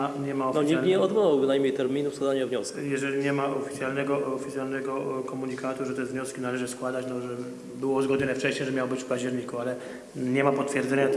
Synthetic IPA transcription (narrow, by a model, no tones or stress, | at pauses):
aɲɛmaɔfnɔɲɛɲɛɔd̪bɔwawbɘnajmʲɲejt̪ɛɾmʲinufskwad̪aɲavɲɔskʲjɛʐɛlʲiɲɛmaɔfʲi̥t̪sʲjalnɛɡɔɔfʲit̪sʲjalnɛɡɔkɔmuɲikʰat̪uʐɛt̪ɛvɲɔskʲinalɛʐɘskwad̪at͡ɕnɔʐɛ | bɘwɔzɡɔd̪ɲɔnɛft͡ʂɛɕɲɛʐɛmʲjawɔbɘt͡ɕfpad͡ʑd͡ʑɛɾɲikualɛ | ɲɛmapɔt̪fʲjɛɾd̪zɛɲat̪